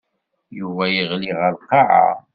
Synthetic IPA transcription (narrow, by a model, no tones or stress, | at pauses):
juvæjiʁliʁəlqːɑʕa̰